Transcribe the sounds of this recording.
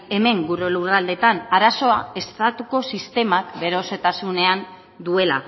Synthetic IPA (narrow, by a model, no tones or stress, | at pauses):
e̞me̞ŋɡuɾolurald̪e̞t̪anaɾaso̞ae̞st̪at̪uko̞sist̪e̞makbe̞ɾo̞se̞t̪asune̞an | d̪ue̞la̰